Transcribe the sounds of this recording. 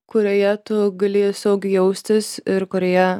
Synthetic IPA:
kʊɾʲojɛt̪ʊɡɐlʲeːjsɐʊkjɛʊsʲt̪ʲɪsɪɾkoɾʲɛjɛ

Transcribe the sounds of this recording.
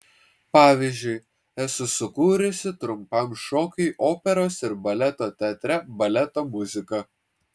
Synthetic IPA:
pɑːʋʲiːzʲd͡ʒʲʊɪ | ɛsʊsʊkuːɾʲʊsʲɪt̪ɾʊmpɐˑmʃoːkʲɐɪʔoːpʲɛɾoːsɪɾbɐlʲɛt̪oːt̪ʲɛːt̪ʲɾʲɛbɐlʲɛt̪oːmʊzʲɪkɐ

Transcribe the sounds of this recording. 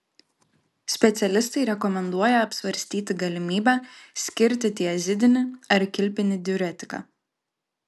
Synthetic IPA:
sʲpʲɛt̪sʲɛlʲɪst̪ɐɪɾʲɛkɔmʲɛnd̪uɔjɛɐpʲsʲʋɐɾʲsʲt̪ʲiːt̪ʲɪɡɐlʲɪmʲiːbʲæːsʲkʲɪɾʲt̪ʲɪt̪ʲiɛzʲɪd̪ʲɪnʲɪɐɾkʲɪlʲpʲɪnʲɪd̪ʲɪuɾʲɛt̪ʲɪ̥kɑ̰ː

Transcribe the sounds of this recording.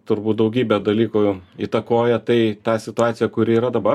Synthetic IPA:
t̪ʊɾbuːt̪̚d̪ɐʊɡʲiːbʲɛd̪ɐlʲiːkʊiːt̪ɐkoːjɛt̪ɐɪt̪ɑːsʲɪt̪ʊɑːt̪sʲɪjɛkʊɾʲɪːɾɐd̪ɐbɐ

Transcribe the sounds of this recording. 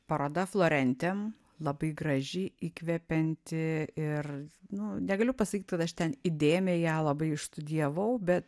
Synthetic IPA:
pɐɾoːd̪ɐflˠoːɾʲɛnʲt̪ʲɛm | lˠɐbɐɪɡɾɐʒʲɪɪiːkʋʲɛpʲɛnʲt̪ʲɪɪrnʊnʲɛɡɐlʲʊpɐsɐkʲiːt̪̚ʲkɐt̪ɐʃt̪ʲɛnid̪ʲeːmʲɛjæːlˠɐbɐɪɪʃst̪ʊd̪ʲiɛʋɐʊbʲɛt̪

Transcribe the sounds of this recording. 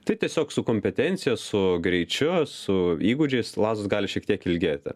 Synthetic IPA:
t̪ɐɪt̪ʲiɛsʲoːksʊkoːmʲpʲɛt̪ʲɛnʲt̪sʲɪjosʊɡɾʲɛɪt͡ʃʲʊsʊiːɡʊd͡ʒʲɛɪslˠɑːzʊsɡɑːlʲɪʃʲiɛkt̪ʲiɛkɪlʲɡʲeːt̪ʲɪ̰

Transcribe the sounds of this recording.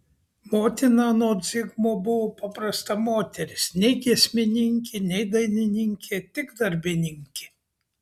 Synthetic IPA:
moːt̪ʲɪnɑːnoɔd̪zʲɪɡmoːbʊʋoːpɐpɾɐst̪ɐmoːt̪ʲɛɾʲɪsnʲɛɪɡʲiɛsʲmʲɪnʲɪŋʲkʲɪnʲɛɪd̪ɐɪnʲɪnʲɪŋʲkʲeːt̪ʲɪɡd̪ɐɾʲbʲɪnʲɪŋʲkʲɪ

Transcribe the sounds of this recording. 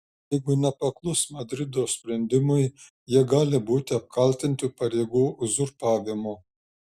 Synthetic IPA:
jɛɪɡʊnʲɛpɐklˠʊsmɐd̪ʲɾʲɪd̪oːsʲpʲɾʲɛnʲd̪ʲɪmʊɪ | jiɛɡɑːlʲɪbuːt̪ʲɪɐp̚kɐlʲt̪ʲɪnʲt̪ʲupɐɾʲeːɡuːzʊɾpɑːʋʲɪmʊ

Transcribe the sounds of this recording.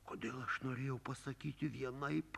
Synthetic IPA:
koːd̪ʲeːlˠɐʃnoːɾʲeːjɛʊpɐsɐkʲiːt̪ʲɪʋʲiɛnɐɪp

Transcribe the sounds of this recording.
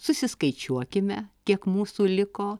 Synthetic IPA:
sʊsʲɪskɐɪt͡ʃʲuɔkʲɪmʲɛkʲiɛkmuːsuːlʲɪkoː

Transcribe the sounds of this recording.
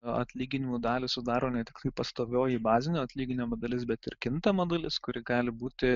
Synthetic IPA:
ɐ̰t̪ʲlʲiːɡʲɪnʲɪmuːd̪ɑːlʲɪsʊd̪ɑːɾoːnʲɛt̪ʲɪkt̪ɐɪpɐst̪oːʋʲoːjɪbɑːzʲɪnʲoːɐt̪ʲlʲiːɡʲɪnʲomoːd̪ɐlʲɪsbʲɛt̪ɪ̰ɾkʲɪnt̪ɐmoːd̪ɐlʲɪskʊɾʲɪɡɑːlʲɪbuːt̪ʲɪ

